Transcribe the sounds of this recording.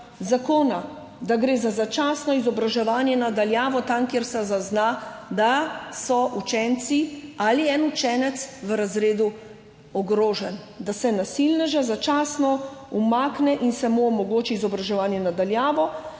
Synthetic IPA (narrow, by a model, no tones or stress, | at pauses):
zakoːna | d̪aɡɾeːzazat͡ʃaːsnɔizɔbɾaʒɛʋaːnjɛnad̪aljaːʋɔt̪amkeɾsɛzaznad̪asɔʔut͡ʃɛnt̪sialiɛnut͡ʃɛːnɛt̪sʋəɾazɾeːd̪u | ɔɡɾoːʒɛn | d̪asɛnasilnɛʒazat͡ʃaːsnɔumaːknɛʔinsɛmuɔmɔɡoːt͡ʃiːzɔbɾaʒɛʋaːnjɛnad̪aljaːʋɔ